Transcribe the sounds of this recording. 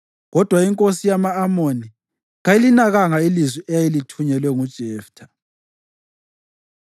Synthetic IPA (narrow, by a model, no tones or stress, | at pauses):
ɣɔd̥ʱwaiŋkʼosijamaːmoni | ɣajilinaɣaŋailizwiʔɛjajilitʰuɲɛlwɛŋud̥ʒ̥ʱɛːftʰa